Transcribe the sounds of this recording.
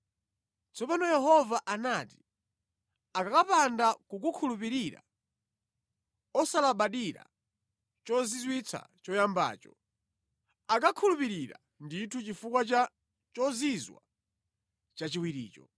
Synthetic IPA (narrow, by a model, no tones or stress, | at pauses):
t͡sʰɔpanɔjɛɦɔvaʔanati̥ | akakapandakuk̬ukʰulup̬iɾiɾa̰ | ɔsalaɓaɗiɾa̰ | t͡ʃɔzizwit͡sʰa̰t͡ʃɔjamba̰ːt͡ʃɔ | akakʰulupiɾiɾa̰ | nditʰut͡ʃifukwat͡ʃa | t͡ʃɔzizwa̰ | t͡ʃat͡ʃiwiɾḭːt͡ʃɔ